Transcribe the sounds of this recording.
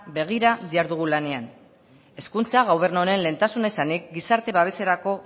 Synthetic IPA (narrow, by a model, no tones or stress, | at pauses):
be̞ɣ̞iɾaðiaɾðuɣ̞ulane̞an | e̞skunt͡saɣawβe̞ɾnoɾe̞nle̞ːnt̪asunaisanik̚ɡisaɾt̪e̞βaβ̞e̞se̞ɾako̞